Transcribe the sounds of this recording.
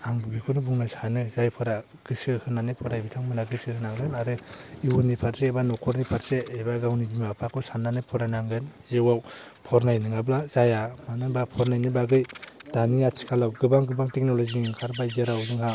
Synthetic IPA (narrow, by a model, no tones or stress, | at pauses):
aŋbɯbikʰunubuŋnɯsanɯzajpʰɯɾa | ɡ̥ɯsɯhɯnanɯpʰɔɾajbitʰaŋmɯnaɡɯsɯhɯnaŋɡɯnaɾɯiwunipʰaɾseebanɔkʰɔɾnipʰaɾseebaɡawnibimapʰakʰɔsanːanɯpʰɔɾajnaŋɡɯnzewaw | pʰɔɾnajnɯŋablazajamanɯbapʰɔɾnajnɯbaɡɯjdaniat͡ʃʰi̥kʰalawɡɯbaŋɡɯbaŋtek̚nɔlɔziŋkʰaɾbazeɾawzɯŋha